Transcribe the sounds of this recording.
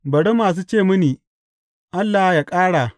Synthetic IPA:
bɐ˨ɽe˦maː˨s̬uː˦t͡ʃeː˦˨mʊ˦niː˨ | ʔa˦lːaː˨hjaː˨kʼaː˦ɽaː˨

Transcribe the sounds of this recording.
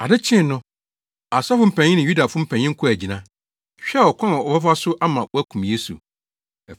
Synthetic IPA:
a˨dɪ˦t͡ɕʰɪ̃˦˨˦nʊ̃˦ | a˨sa˦fʊ̃˦m̩˦˨pʰæ̃˨ɲɪ̃˦nɪ̃˨ju˦da˨fʊ̃˦m̩˦pʰæ̃˨ɲ˦ɪ̃˦ŋ̩˦kʰʊ˦æ˨d͡ʑi˨nã˦ | ɕᶣɛ˦˨ɔ˨kʷʰã˦˨ɔ˨fɛ˦fa˦sʊ˦ʔa˦mã˨˦æ˦kʰũ˨mje˦sṵ˨

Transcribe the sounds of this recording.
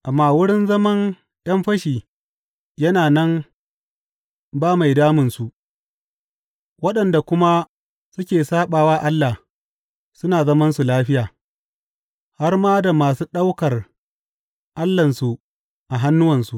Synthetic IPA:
ʔa˨mːaː˦˨wʊ˦ɽɪ˦nzɐ˦mɐ˦n | ɗɐ˦mɸɐ˦ʃiː˨ | jɐ˦naː˨nɐ˦m | baː˦ma˨jdaː˦mɪ˨nsu˨ʔ | wɐ˦ɗɐ˨nda˨kʷʊ˦ma˦ | sʊ˦kʲeː˨saː˦ɓaː˨waː˦ʔa˦lːa˨ | sʊ˦naː˨zɐ˦mɐ˦nsu˨laː˦ɸɪ˦jaː˨ | ha˦rmaː˦da˨maː˨su˦ɗa˦wkɐ˨r | ʔa˦lːɐ˨nsu˨ | ʔa˨ɦa˦nːʊ˦wɐ˨nsu˨

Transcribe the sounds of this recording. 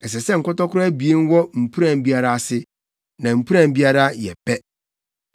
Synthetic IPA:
ɛ˨s̬ɛ˨sɛ˦ŋ̩˨kʊ˦tɔ˦kʰʊ˦ɾʊ˦æ˦bi˨e˦n˦wɔ˦m̩˨pʰu˦ɾã˨m˦bi˦a˦ɾa˦a˦˨sɪ˦ | nã˨m̩˨pʰu˦ɾã˨m˦bi˦a˦ɾa˦jɛ̰˨pʰɛ˦

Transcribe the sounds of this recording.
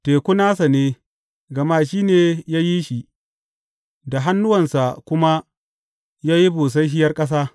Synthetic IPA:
teː˨kʷʊ˦naː˦sa˨neː˦ | ɡɐ˨maː˦ʃiː˦neː˨jaː˦ji˦ʃi˨ʔ | da˨ɦa˦nːʊ˦wɐ˨nsa˨kʷʊ˦ma˦ | jaː˦ji˦buː˨s̬a˦jhɪ˦jɐ˦rkʼɐ˦s̬aː˦

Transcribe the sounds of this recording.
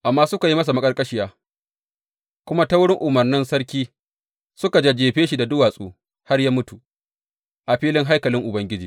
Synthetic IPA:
ʔa˨mːaː˦sʊ˦ka˨ji˦mɐ˦s̬a˨mɐ˦kʼɐ˦rkʼɐ˦ʃɪ˦jaː˦ | kʷʊ˦ma˦ta˦wʊ˦ɽɪ˦ŋʔʊ˨mɐ˨rnɪ˦nsɐ˦rkʲiː˦ | sʊ˦ka˨d͡ʒe˦d͡ʒeː˨ɸeː˦ʃi˨da˨dʊ˦waː˨sʼo̰ː˦ | ha˦rjaː˦mʊ˦tu˨ | ʔa˨ɸiː˦lɪ˦ŋɦa˦jkɐ˨lɪ˦ŋʔʊ˨bɐ˦ŋɡʲɪ˦d͡ʒiː˨

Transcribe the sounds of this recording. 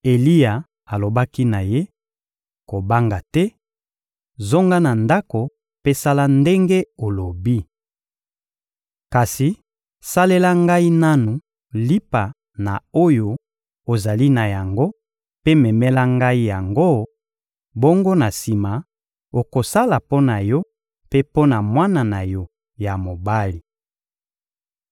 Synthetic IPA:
e˨li˦ja˨ | a˨lo˨ba˦ki˦na˨je˦ | ko˨ba˦ŋɡa˨tɛ˦ | zo˦ŋɡa˦na˨nda˦ko˨ | pe˦sa˦la˦nde˦ŋɡe˦o˨lo˨bi˦ | ka˨si˨ | sa˦le˦la˦ŋɡa˦i˦na˦nu˨ | li˦pa˨ | na˨o˦jo˦ | o˨za˨li˦na˨ja˨ŋɡo˦ | pe˦mɛ˨mɛ˦la˦ŋɡa˦i˦ja˨ŋɡo˦ | bo˦ŋɡo˦na˨si˨ma˨ | o˨ko˨sa˦la˨po˦na˨jɔ˦ | pe˦po˦na˨mwa˦na˨na˨jɔ˦ | ja˨mo˨ba˦li˨

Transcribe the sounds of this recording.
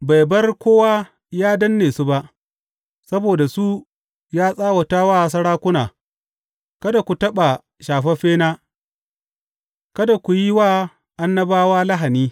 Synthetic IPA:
ba˨jbɐ˦rkʷoː˦waː˦ | jaː˦dɐ˦nːeː˨su˦ba˦ʔ | sɐ˦boː˨da˨su˦ | jaː˦sʼaː˦wɐ˨taː˦waː˦˨s̬ɐ˦ɽaː˦kʷʊ˦naː˨ | kɐ˦da˨kʷu˨tɐ˦ɓa˨ | ʃaː˨ɸɐ˦ɸeː˦naː˦ | kɐ˦da˨kʷu˨ji˦waː˦˨ | ʔa˦nːɐ˦baː˦waː˦la˦ɦa˨niː˦

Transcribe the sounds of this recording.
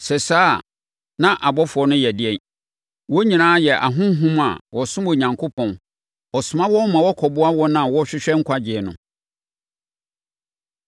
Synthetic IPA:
sɛ˨saː˦ | nã˦ʔa˨bɔ˦fʊ˨ɔ˨nʊ̃˦jɛ˨dɪ˦ɛ˨n | wɔ˦ɲĩ˨nãː˦jɛ˨ʔa˨ɦʊ̃˦ɦũ˦ma̰˨wʔɔ˨sʊ̃˦mo˨ɲã˨ŋkʰo˦pʰɔ̃˨n | ɔ˨sʊ˨mã˦wɔ˦mã˨wɔ˦kʰɔ˨bʊ˦a˦wɔ˦nã˦a˨wɔ˦ɕᶣɪ˦ɕᶣɛ˦ŋ̩˦kʷʰa˦d͡ʑɪ˨ɛ˨nʊ̃˨

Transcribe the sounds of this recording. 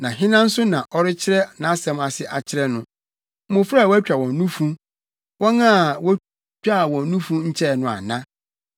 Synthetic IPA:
nã˨ɦɪ̃˦nã˦n̩˦sʊ˦nã˨ʔɔ˦ɾɪ˦t͡ɕʰɪ˦ɾɛ˦nã˨˦a˦sɛ̃˦ma˨sɪ˦ʔa˨t͡ɕʰɪ˦ɾɛ˦nʊ̃˦ | ʊ̃˨fɾwɔ˦æ˦t͡ɕᶣa˨wɔ̃˨nnːũ˦fũ˦ | wʔɔ̃˦nã˦˨wɔ˦ | t͡ɕᶣa˦˨wɔ̃˨nnũ˦fũ˦ɲ̩˦t͡ɕʰɛ˦˨nʊ̃˨a̰˨nã˦

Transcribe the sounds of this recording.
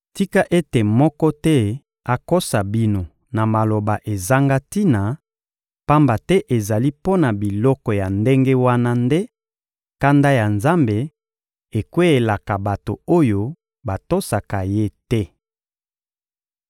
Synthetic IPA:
ti˦ka˦ʔe˦te˨mɔ˦kɔ˦tɛ˦ | a˨ko˦sa˨bi˦no˨ | na˨ma˨lo˨ba˨ʔe˨za˦ŋɡa˦ti˦na˨ | pa˦mba˨tɛ˦ʔe˨za˨li˦po˦na˨bi˨lɔ˦kɔ˨ja˨nde˦ŋɡe˦wa˦na˦nde˦ | ka˦nda˦ja˨nza˦mbe˨ | e˨kwe˦e˨la˨ka˨ba˨to̰˨o˦jo˦ | ba˨to˦sa˨ka˨je˦tɛ˦

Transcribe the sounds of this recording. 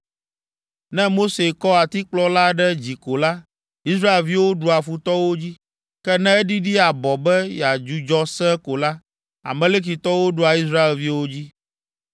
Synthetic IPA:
nɛ̃˦mo˦se˨kɔ˦a˨t̪i˦k͡plɔ˦la˦ɖɛ˦d͡ʑi˨ko˨la˦ | i˦sɾa˦e˨lvi˦wo˦ɖu˦a˨fu˨t̪ɔ˦wo˦d͡ʑi˦ | kɛ˦nɛ̃˦ɛ˦ɖi˦ɖi˦a˨bɔ˨bɛ˦ja˨d͡ʒu˦d͡ʒɔ˦sɛ˦ko˨la˦ | a̰˨mẽ˦le˦k̬i˨t̪ɔ˦wo˦ɖu˦a˨i˦s̬ɾa˦e˨lvi˦wo˦d͡ʑi˦

